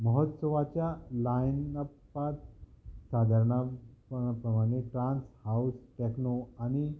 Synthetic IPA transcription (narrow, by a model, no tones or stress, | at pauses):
məɦət̪səʋat͡ɕjalajnəpː | at̪sad̪ʱəɾɳa | pɾəmaɽ̃eʈɾãnshausʈeknoaɽ̃i